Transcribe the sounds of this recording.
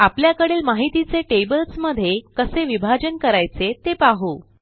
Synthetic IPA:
apljakəɽeːlmaɦit̪it͡seʈebəlsməd̪ʱːjekəseʋibʱad͡ʑənkəɾajt͡set̪epaɦu

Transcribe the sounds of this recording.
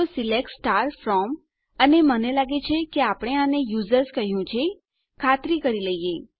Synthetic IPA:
osilek̚ʈsʈaɾfɾɔm | ənemənelaɡet͡ʃʰekeapɽ̃eanejuzəɾskəɦjũt͡ʃʰe | kʰat̪ɾikəɾiləɦije

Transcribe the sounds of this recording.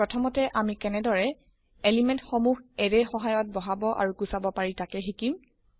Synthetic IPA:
ɹɔtʰɔmɔtɛʔamikɛnɛdɔɹɛ | elimɛntxɔmuɦɛɹɛxɔɦajɔt̚bɔɦabɔʔa̰ɹukusabɔpaɹitakɛxikim

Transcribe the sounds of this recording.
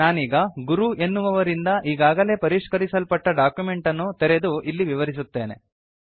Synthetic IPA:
aːniːɡɐɡuɾuʔe̞nːuʋɐʋɐɾind̪ɐʔiːɡaːɡɐle̞ːpɐɾiʂkɐɾisɐlpɐʈːɐɖaːkjume̞ɳʈɐnːut̪eɾed̪uʔilːiʋiʋɐɾis̬ut̪ːe̞ːnḛ

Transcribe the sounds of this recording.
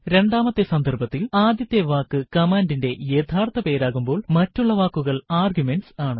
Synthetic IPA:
ɾe̞ɳɖaːmɐt̪ːesɐnd̪ʱɐrbɐt̪ːilaːd̪jɐt̪jeʋaːkːɨkɐmaːndinde̞je̞t̪ʰaːrt̪ːɐpe̞ːɾaːɣumbo̞ːɭmɐtːuɭːɐʋaːkːuɣɐɭaːrɡjume̞nsaːɳɨ

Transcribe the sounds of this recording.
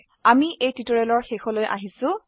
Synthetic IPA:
amiʔejtitoɹelɔɹxexɔlojʔa̰ɦisʊ̃

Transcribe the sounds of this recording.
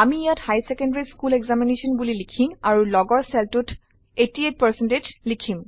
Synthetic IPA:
amiijathajsekɔ̃ndaɹiskuleɡzamineʃɔnbulilikʰimaɹulɔɡɔɹsɛltutʰ | etiet̚pəsɛnted͡ʒlikʰim

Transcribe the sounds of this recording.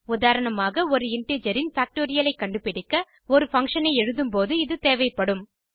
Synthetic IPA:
ʊðaːɾɐɳɐmaːɣɐɔɾɯɪɳʈeːd͡ʒɐɾɪnfaːk̚ʈoːɾɪjɐlɐɪkːɐɳɖɯpɪɽɪkːɐ | ɔɾɯfɐŋkʂɐnɐɪɛɻɯðɯmpoːðɯɪðɯt̪eːʋɐɪpːɐɽɯm

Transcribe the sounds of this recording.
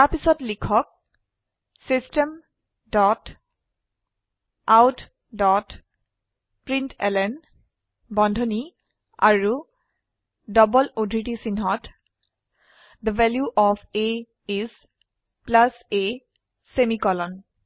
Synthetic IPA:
taɹpisɔtlikʰɔk̚ | sistem | dɔt | awt | dɔt | pɹintʰɛlɛn | bɔndʱoni | a̰ɹu | dɔbɔlodʱiʈisinɦɔt | d̪əvɛljuʔɔpʰe | iz | plase | semikɔlɔn

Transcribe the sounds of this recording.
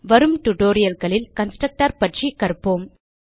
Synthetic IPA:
ʋɐɾɯmʈʊʈoːɾɪjɐlɣɐɭɪlkɐnsʈɾɐk̚ʈaːɾpɐʈʂikɐɾɯpːoːm

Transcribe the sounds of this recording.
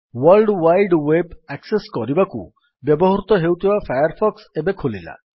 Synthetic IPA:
walɖwajɖwebɛkseskɔɾibakṵ | bjɔbɔɦɔɾut̪ɔɦewt̪ʰibafʰajaɾpʰɔksebekʰolila̰

